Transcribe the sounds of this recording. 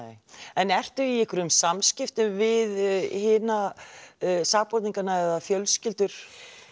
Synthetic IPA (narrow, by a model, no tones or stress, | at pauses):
ɛnɛr̥t̪ʏiɪhkʏɾʏmsamscɪft̪ʏmvɪðhɪːna | saːɣpɔɾt̪niŋkanaɛðafjœlscɪlt̪ʏɾ̥